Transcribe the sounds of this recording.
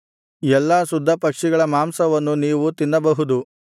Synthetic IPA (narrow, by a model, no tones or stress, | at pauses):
ɛlːaːsud̪ʱːɐpɐkʂiɡɐɭɐmaːmsɐʋɐnːuniːʋut̪inːɐbɐɦud̪u